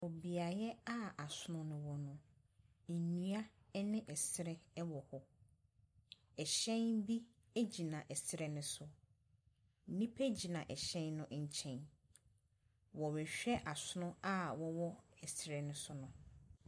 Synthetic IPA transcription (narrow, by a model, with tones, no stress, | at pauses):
wɔ˨bi˨a˨jɛ˦a˦a˨sʊ˦nʊ̃˦nʊ̃˨wɔ˨nʊ̃˨ | n̩˨nũ˦a˦ | nɪ̃˦ʔɛ˨sɪ˨ɾɛ˦wɔ˨hɔ˨ | ɛ˨ɕɛ̃˦nbi˦ | e˦d͡ʑi˨nã˨ʔɛ˨sɾɛ˨nʊ̃˦sʊ˨ | n̩˨nĩ˦pʰe˦d͡ʑi˨nã˨ʔɛ˨ɕɛ̃˦nnʊ̃˦ʔɲ̩˨t͡ɕʰɛ̃˨n | wɔ˨wɛ˨ɕᶣɛ˦ʔa˨sʊ˦nʊ̃˦a˦wɔ˨wɔ˦ɛ˨sɪ˨ɾɛ˨nʊ̃˦sʊ˦nʊ̃˨